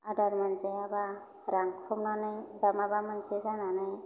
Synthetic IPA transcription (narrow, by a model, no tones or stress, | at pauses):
adaɾmanzeaba | ɾaŋkʰumnanajbamabamansezananaj